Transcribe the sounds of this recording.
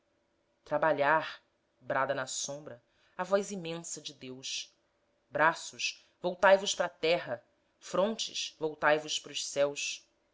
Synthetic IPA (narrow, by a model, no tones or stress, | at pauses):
t̪ɾabaʎaɾ | bɾad̪ɐnɐsõmbɾɐ | avɔjzimẽsɐd͡ʒɪd̪ews | bɾasʊʃ | vowt̪ajvʊʃpɾɐt̪ɛɦɐ | fɾõnt͡ʃɪ̰ʃvowt̪ajvʊʃpɾʊʃsɛwʃ